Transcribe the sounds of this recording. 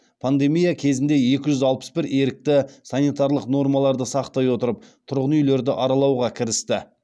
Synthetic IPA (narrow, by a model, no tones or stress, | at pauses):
pʰand̪e̞mijakʲʰe̞zɪnd̪e̞je̞kʲɪʒʏzɑlˠpə̥sbɪɾe̞ɾɪk̚t̪ɪsɑnijt̪ɑɾlˠəqno̞ɾmɑlˠɑɾd̪əsɑqt̪ɑjwo̞t̪əɾəp̚t̪ʰʊɾʁənʏjle̞ɾd̪ɪʔɑɾɑlˠɑwʁɑkʲʰɪɾɪst̪ɪ